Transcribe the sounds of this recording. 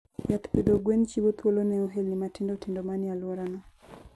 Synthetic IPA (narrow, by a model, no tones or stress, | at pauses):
jat̪ped̪oɡwent͡ʃiwot̪wolonɛoɦelnimatɪndotɪndomanɪalwɔɾanɔ